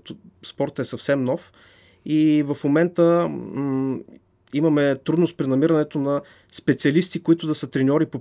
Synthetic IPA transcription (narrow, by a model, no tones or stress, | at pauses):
t̪spɔɾt̪əɛsɐfsɛmnɔf | ivɐfmomɛnt̪ə | imɐmɛt̪ɾud̪nʊst̪pɾinɐmiɾɐnɛt̪onɐ | spɛt̪siɐlist̪ikoit̪ʊd̪ɐsət̪ɾɛnʲɔɾipo